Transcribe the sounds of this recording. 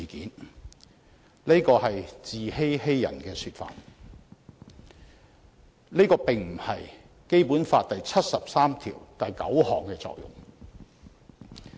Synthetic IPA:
i˨kiː˨˥n | le˥kɔː˧hɐ˨jt͡siː˨he˥jhe˥jːɐ̰˨˩nkɛː˧syː˧t̚fa̰ː˨˩t | nle˥jkɔː˧pɪ˨ŋm̩˨˩hɐ˨j | ke˥jpuː˨˥nfaː˧t̚t̪ɐ˨jt͡sʰɐ˥t̚sɐ˨p̚saː˥mt̪ʰḭː˨˩wt̪ɐ˨jkɐ̰˨˥whɔː˨˩ŋkɛː˧t͡sɔ̰ː˧k̚jʊ̰˨˩ŋ

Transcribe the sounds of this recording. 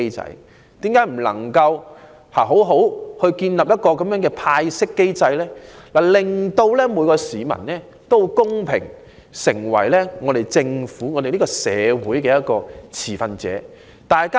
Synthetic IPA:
ɐ̰˧˥j | t̪iː˨˥mkaː˨˥jm̩˨˩lɐ̰˨˩ŋkɐ˧w | haː˨˩ɦo˨˥wɦo˨˥whɵ˧ɥkiː˧nlɐː˨p̚jɐ˥t̚kɔː˧kɐ˨˦mjœː˨˥ŋkɛ˧pʰaː˧jsɪ˥kːe˥jt͡sɐ˧jlɛː˥laː˨˩lɪ˨ŋt̪o˧wlɛː˥muː˨˧jkɔː˧siː˨˧mɐ̰˨˩nlɛː˥ | t̪o˥wkʊ˥ŋpʰɪ̰˨˩ŋ | sɪ˨˩ŋwɐ˨˩jlɛː˥ŋɔː˨˧ɾe˨˩jt͡sɪ˧ŋfuː˨˥ŋɔː˨˧d̪e˨li˥kɔː˧sɛ̰ː˨˧wuː˨˥jkɛː˧jɐ˥t̚kɔː˧t͡sʰiː˨˩fɐ˨˧nt͡sɛ̰ː˨˦ | t̪aː˨jkaː˥

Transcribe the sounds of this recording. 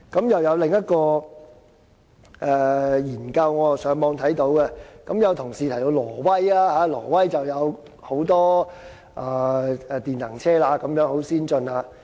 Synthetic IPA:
kɐ˨˥mjɐ˨wjɐ˨˧wlɪ˨ŋjɐ˥t̚kɔː˧ | ʔɛː˨˧jiː˨˩nkɐ˧wŋɔː˨˧sœː˨˥ŋmɔː˨˧ŋt̪ʰɐ˨˥jt̪o˨˥wkɛ˧kɐ˨˥mjɐ˨˧wt̪ʰʊ˨˩ŋsiː˨t̪ʰjt̪o˧wlɔː˨˩wɐ˥jaː˥haː˨˥lɔ̰ː˨˩wɐ˥jt͡sɐ˨wjɐ˨˧w | ho˨˥wt̪ɔː˥ | ʔaː˨˧ɛ˨˧t̪iː˨nːɐ̰˨˩ŋt͡sʰɛː˥laː˧kɐ˨˥mjœː˨˥ŋho˨˥wsiː˥nt͡ʃɵ˧nlaː˧

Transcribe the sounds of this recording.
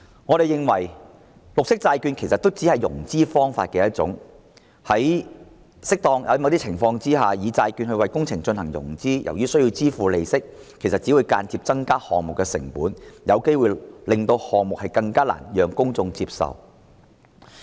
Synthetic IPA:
ŋɔː˨˧ɾe˨jɪ˨ŋwɐ̰˨˩j | lʊ˨k̚sɪ˥k̚t͡saː˧jkyː˧nkʰe˨˩sɐ˨t̪o˥wt͡si˨˥hɐ˨jːʊ̰˨˩ŋt͡siː˥fɔː˥ŋfaː˧t̚kɛː˧jɐ˥t̚t͡sʊ̰˨˥ŋ | hɐ˨˥j | sɪ˥k̚t̪ɔː˧ŋjɐ̰˨˧˦ma˨˧˥t̪iː˥t͡sʰɪ˨˩ŋfɔː˧ŋt͡siː˥ɦaː˨jiː˨˧t͡saː˧jkyː˧nhɵ˧ɥwɐ˨˧jkʊ˥ŋt͡sʰɪ˨˩ŋt͡ʃɵ˧nhɐ˨˩ŋjʊ̰˨˩ŋt͡siː˥jʔɐ̰˨˩wjyː˥sɵ˥jiː˧wt͡siː˥fuː˨˧le˨˧jsɪ˥k̚ | kʰːe˨˩jsɐ˨t̚t͡siː˨˥wuː˨˧jkaː˧nt͡siː˧p̚t͡sɐ˥ŋkaː˥hɔː˨ŋmʊ˨kːɛː˧sɪ̰˨˩ŋpuː˨˥njɐ˨˧wke˥jwuː˨lɪ˨ŋt̪o˧whɔː˨ŋ̚mʊ˨k̚hɐ˨jkɐ˧ŋkaː˥la̰ː˨˩njœː˨ŋkʊ˥ŋt͡sʊ˧ŋt͡siː˧p̚sɐ̰˨w

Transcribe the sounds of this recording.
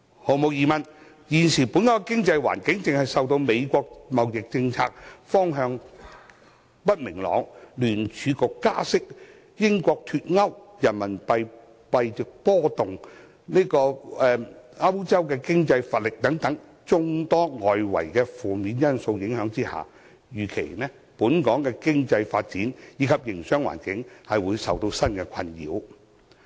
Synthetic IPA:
ho˨˧wmo˨˧wjiː˨˧mɐ˨˩n | jiː˨˩nsiː˨˩pu˨˥nkɔː˦˥˧kɪ˥ŋt͡sɐ˧jwa̰ː˨˩nkɪ˨˥ŋt͡sɪ˨ŋhɐ˨jsɐ˨˧wt̪o˧wme˨˧jkʷɔː˧k̚mɐ˨wjɪ˨k̚t͡sɪ˧ŋt͡sʰa̰ː˧k̚fɔː˥ŋɦœː˧ŋ | pɐ˥t̚mɪ˨˩ŋlɔ̰ː˨˥ŋlyː˨˩nt͡ʃʰyː˨˧kʊ˨˧kkːaː˥sɪ˥k̚ | jɪ˥ŋkʷɔː˧k̚t̪ʰyː˧t̚ŋɐ˥wjɐ˨˩nmɐ˨˩npɐ˧j | pɐ˨˧jt͡sɪ˨k̚pɔː˥t̪ʊ˨ŋ | ne˥kɔː˧ɛː˧aː˥wu˥t͡sɐ˥wkɛː˧kɪ˥ŋt͡sɐ˧jfaː˧˩t̚lɪ˨k̚t̪ɐ˨˥ŋt̪ɐ˨˥ŋ | t͡sʊ˥ŋt̪ɔː˥ŋɔː˨jwɐ̰˨˩jkɛː˧fuː˨miː˨˧njɐ˥nso˧wjɪ˨˥ŋhœː˨˧˥ŋt͡siː˥ha̰ː˨ | jyː˨˩kʰe˨˩jnɛː˥ | puː˨˥nkɔː˨˥ŋkɛː˧kɪ˥ŋt͡sɐ˧jfaː˧t̚t͡siː˨˥njiː˨˧kʰɐ˨p̚jɪ˨˩ŋsœː˥ŋwa̰ː˨˩nkɪ˨˥ŋhɐ˨jwuː˨˧jsɐ˨wt̪o˧wsɐ˥nkɛː˧kʷʰɐ˧njḭː˨˧˥w

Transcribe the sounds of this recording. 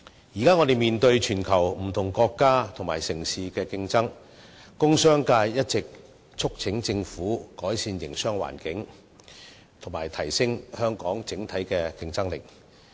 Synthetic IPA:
jiː˨˩kaː˥ŋɔː˨˧d̪e˨jmiː˨nt̪ɵ˧ɥt͡ʃʰyː˨˩nkʰɐ˨˩wm̩˨˩t̪ʰʊ˨˩ŋkɔː˧kːaː˥t̪ʰʊ˨˩maː˨˩jsɪ˨˩ŋsiː˨kɛː˧kɪ˧ŋt͡sɐ˥ŋ | kʊ˥ŋsœː˥ŋkaː˧jjɐ˥t̚t͡sɪ˨k̚ | t͡sʰʊ˥k̚t͡sʰɪ˨˥ŋt͡sɪ˧ŋfuː˨˥kɔː˨˥jsiː˧njɪ˨˩ŋsœː˥ŋwa̰ː˨˩nkɪ˨˥ŋ | t̪ʰʊ˨˩maː˨˩jt̪ʰɐ˨˩jsɪ˥ŋhœː˥ŋkɔː˨˥ŋt͡sɪ˨˥ŋt̪ʰɐ˨˥jkɛː˧kɪ˧ŋt͡sɐ˥ŋlɪ˨˩k̚

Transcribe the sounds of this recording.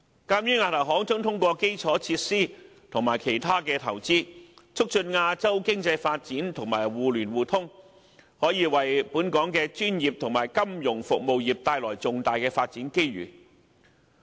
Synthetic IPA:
kaː˧mjyː˥nŋaː˧t̪ʰɐ˨˩wɦɔː˨˥ŋtʊ˥ŋt̪ʰʊ˥ŋkʷɔː˧ke˥jt͡sʰɔː˨˥t͡sʰiː˧t̚siː˥ | t̪ʰʊ˨˩ŋmaː˨˩jkʰe˨˩jt̪ʰaː˥kɛː˧t̪ʰɐ˨˩wt͡siː˥t͡sʰʊ˥k̚t͡ʃɵ˧nŋaː˧t͡sɐ˥wkɪ˥ŋt͡sɐ˧jfaː˧t̚t͡siː˨˥nt̪ʰʊ˨˩ŋmaː˨˩jwuː˨lyː˨˩nwuː˨t̪ʰʊ˥ŋ | hɔː˨˥jiː˨˧wɐ˨˩jpuː˨˥nkɔː˨˥ŋkɛː˧t͡ʃyː˥njiː˨p̚t̪ʰʊ˨˩ŋmaː˨˩jkɐ˥mjʊ˨˩ŋfʊ̰˨k̚mo˧wjiː˨˩p̚t̪aː˧jlɔː˨˩jt͡sʊ˨ŋt̪aː˨jkɛː˧faː˧t̚t͡siː˨˥nke˥jɥy̰ː˨˩

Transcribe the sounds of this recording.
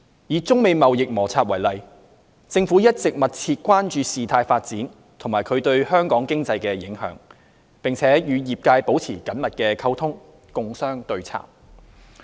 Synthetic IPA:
jiː˨t͡sʊ˥ŋme˨˧jmɐ˨wjɪ˨k̚mɔː˨˩t͡sʰaː˧t̚wɐ˨˩jlɐ˨j | t͡sɪ˧ŋfuː˨˥jɐ˥t̚t͡sɪ˨k̚mɐ˨t̚t͡sʰiː˧t̚kʷwaː˥nt͡ʃyː˧siː˨t̪ʰaː˧jfaː˧t̚t͡siː˨˥n | t̪ʰʊ˨˩ŋmaː˨˩kʰɵ˨˧ɥt̪ɵ˧ɥhœː˥ŋkɔː˨˥ŋkɪ˥ŋt͡sɐ˧jkɛː˧jɪ˨˥ŋhœ̰ː˨˥ŋ | pɪ˨ŋt͡sʰɛː˨˥jyː˨˧jiː˨˩p̚kaː˧jpo˨˥wt͡sʰiː˨˩kɐ˨˥nmɐ˨t̚kɛː˧kʰɐ˥wt̪ʰʊ˥ŋ | kʊ˧ŋsœː˥ŋt̪ɵ˧ɥt͡sʰa̰ː˨˩m

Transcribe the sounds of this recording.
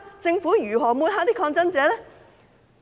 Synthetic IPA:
t͡sɪ˧ŋfuː˨˥jyː˨˩ɦɔː˨˩muː˧haː˨˥t̪iː˥kʰɔː˧ŋt͡sɐ˥nt͡sɛː˨˧lɛː˥

